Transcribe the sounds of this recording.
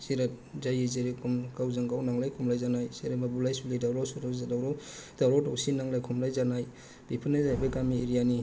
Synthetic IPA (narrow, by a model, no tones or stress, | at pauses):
siɾat̚zajizeɾekʰumkawzaŋɡawnaŋlajkʰumlajzanajsiɾemabulajsulidawɾawsuɾawdawɾawdawɾawtawsinaŋlajkʰumlajzanaj | b̥ipʰɯnazajbakamiːɾijani